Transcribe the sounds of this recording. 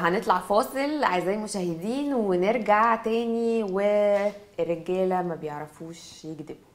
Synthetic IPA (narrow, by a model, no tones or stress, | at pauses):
ɦænet̪ˤlɑʕfɑːsˤelʕaezæjmoʃæːhed̪iːnweneɾɡaʕt̪æːniwe | rːeɡæːlæmæbejeʕɾˤɑfuːʃjeɡd̪ebo